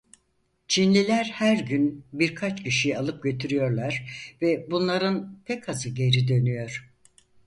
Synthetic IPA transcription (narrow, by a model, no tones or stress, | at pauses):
t͡ʃʰinlʲilʲæɾhæɾɟynbiɾkʰat͡ʃcʰiʃijalˠɯp̚ɟø̞t̪ʰyɾyjo̞ɾlˠaɾ̥vɛbunlˠaɾɯnpʰɛcʰazɯɟe̞ɾid̪ø̞nyjo̞ɾ̥